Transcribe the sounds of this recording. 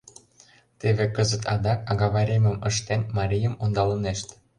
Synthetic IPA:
t̪eβekəzət̪ɑd̪ɑkɑɣɑβɑɾʲemə̆məʃt̪enmɑɾʲijəmond̪ɑləneʃt̪

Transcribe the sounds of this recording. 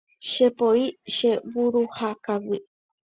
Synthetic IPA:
ʃepoiʃeβuɾuhakawi

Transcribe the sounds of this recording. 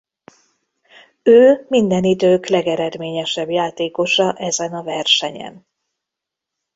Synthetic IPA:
øːmind̪ɛnid̪øːklɛɡɛɾɛd̪meːɲɛʃɛbjaːt̪eːko̞ʃɒʔɛzɛnɒvɛrʃɛɲɛ̰n

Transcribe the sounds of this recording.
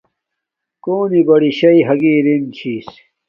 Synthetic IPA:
koːnibɐɽiɕɐiɦɐɡiːɾint͡ɕʰiːs

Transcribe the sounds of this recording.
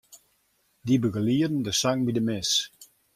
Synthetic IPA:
dibəɡəliədən̩dəsaŋbidəmɪs

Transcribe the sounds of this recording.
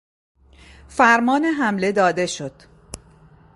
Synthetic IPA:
fæɾmɒːneɦæmle̞d̪ɒːd̪e̞ʃo̞d̪̥

